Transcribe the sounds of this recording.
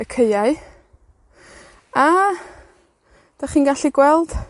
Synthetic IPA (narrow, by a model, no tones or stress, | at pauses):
əkʰejaɨ | a | d̥aχiːnɡaɬiɡwɛlˠd̥